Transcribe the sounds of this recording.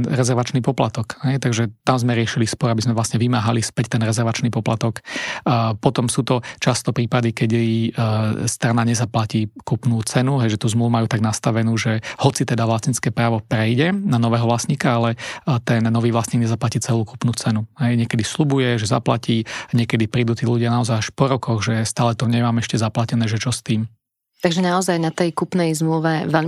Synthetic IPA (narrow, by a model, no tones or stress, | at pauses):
ɾɛzɛɾʋat͡ʃnipɔpla̰t̪ɔkhɛjt̪aɡʒɛt̪amzmɛɾɪɛʃilispɔɾabizmɛʋlasɲɛʋimaːɦalispɛct̪ɛnɾɛzɛɾʋat͡ʃniːpɔplat̪ɔk | pɔt̪ɔmsuːt̪ɔt͡ʃast̪ɔpɾiːpad̪ikɛɟ | st̪ɾanaɲɛzaplaciːkupnuːt͡sɛnuɦɛjʒɛt̪uːzmluʋumajuːt̪aɡnast̪aʋɛnuːʒɛhɔt͡sit̪ɛd̪aʋlasɲit͡skɛːpɾaːʋɔpɾɛjɟɛnanɔʋɛːɦɔʋlasɲiːkaalɛt̪ɛnːɔʋiːʋlasɲiɡɲɛzaplaciːt͡sɛluːku̥pnuːt͡sɛnuɦɛjɲɪɛkɛd̪islubujɛʒɛza̰pla̰ciːɲɪɛkɛd̪ipɾiːd̪uːt̪iːluɟɪanaɔzajaʃpɔɾɔkɔɣʒɛst̪aːlɛt̪ɔɲɛmaːmɛʃcɛzaplacɛnɛːʒɛt͡ʃɔst̪iːm | t̪aɡʒɛnaɔzajnat̪ɛjkupnɛjzmluʋɛʋɛʎ